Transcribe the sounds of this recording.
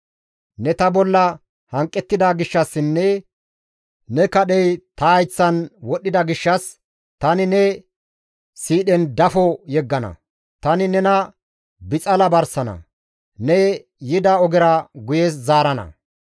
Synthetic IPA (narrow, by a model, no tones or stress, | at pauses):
nɛt̪ɐbɔlːɐ | hɐŋkʼːɛt̪ːɪd̪aɡɪʃːɐsːɪnːɛ | nɛkɐɗɛjt̪ɐːjt͡sːɐnwɔɗːɪd̪ɐɡɪʃːɐs | t̪ɐnɪnɛ | siːɗɛnd̪ɐfɔjɛɡːɐnɐ̰ | t̪ɐnɪnɛnɐ | bɪt͡sʼɐlɐbɐɾsɐnɐ̰ | nɛ | jɪd̪ɐɔɡɛɾɐɡʊje̞ːs̬zaːɾɐnɐ̰